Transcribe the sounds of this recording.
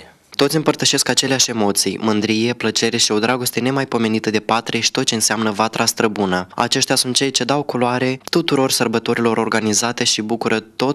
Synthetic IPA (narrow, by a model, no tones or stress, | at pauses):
t̪o̞t̪sʲɨmpərt̪əʃe̞skat͡ʃe̞leaʃe̞mo̞t̪sijmɨnd̪ɾije̞plət͡ʃe̞ɾe̞ʃio̞d̪ɾaɡo̞st̪e̞ne̞majpo̞me̞nit̪əd̪e̞pat̪ɾe̞ʃi̥t̪o̞t̪̚t͡ʃe̞ɨnseamnəvat̪ɾast̪ɾəbunəa̰t͡ʃe̞ʃt̪easunt̪̚t͡ʃe̞jt͡ʃe̞d̪awkuloaɾe̞t̪ut̪uɾo̞rsərbət̪o̞ɾilo̞ɾo̞rɡanizat̪e̞ʃibukuɾət̪o̞t